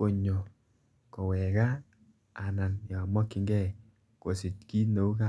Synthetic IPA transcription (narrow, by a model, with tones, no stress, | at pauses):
ko˨ɲo˨ | kɔ˨wɛ˨ka˦ | a˨na˨njɔ˨mɔ˦kːɪ˨ŋɡɛ˦˨ | ko˨sɪ˨t̚ki˦no˨u˦ka˦